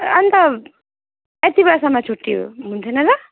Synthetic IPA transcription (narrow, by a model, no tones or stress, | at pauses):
ʌnt̪ʌ | et̪ibsʌmat͡sʰuʈːijo̰ɦunt̪ʰʌnʌrʌ